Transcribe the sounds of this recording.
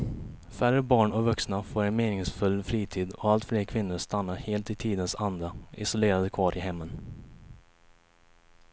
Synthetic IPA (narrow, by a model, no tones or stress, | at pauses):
færəbɑːɳɔvɵksnafoːɾɛnmeːnɪŋsfɵlːfɾiːt̪ʰiːd̪ɔalt̪fleːɾkʰvɪnːʊɾst̪anːaheːlt̪ɪt̪ʰiːd̪ənsand̪ɾaɪ̰sʊleːɾad̪əkʰvɑːɾʔɪɦɛmːən